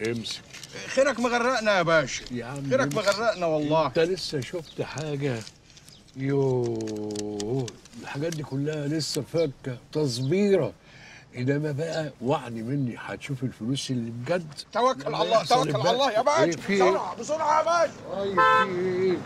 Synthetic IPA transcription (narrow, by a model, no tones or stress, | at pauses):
ʔemse̥kxeɾækmeɣærːæʔnæbæːʃjaʕneɾæmeɣærˤːæʔnæwɑlˤːɑːt̪ælesːæʃoft̪ħaːɡæ | jo | elħaɡæːt̪̚d̪iːkʊlːæhælesːæfækːæt̪ɑsˤbiːɾɑ | ʔenːæmæbæʔæwaʕnimenːiħa̰t̪ʃuːfelfʊluːsʔelːibɡæd̪ːt̪æwækːlɑlˤːɑːwælːlɑlˤːɑːjæbʕafioɾʕɑbesˤoɾʕɑʔæbæːʃ